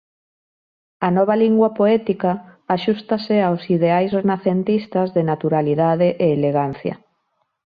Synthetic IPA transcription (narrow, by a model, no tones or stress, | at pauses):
anɔβ̞aliŋɡwapoɛt̪ikaːʃust̪aseawsiðeajsrenaθent̪ist̪azðenat̪uɾaliðaðeʔeːleɣan̟θjɐ̰